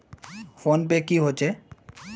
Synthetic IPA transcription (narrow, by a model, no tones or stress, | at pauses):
fonpekiɦot͡ɕʰe